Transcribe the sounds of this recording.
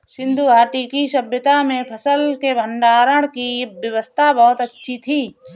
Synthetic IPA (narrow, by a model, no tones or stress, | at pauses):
ʃɪ̃nd̪uaːʈikiʃɐbjət̪amẽpʰɐsəlkebʱəɳɖaːɾəɽ̃kibjəʋəst̪ʰabɔɦʊt̪ɐtːʃʰit̪ʰiː